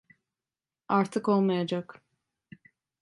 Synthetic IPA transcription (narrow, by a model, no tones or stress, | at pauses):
aɾt̪ʰɯko̞lˠmajad͡ʒak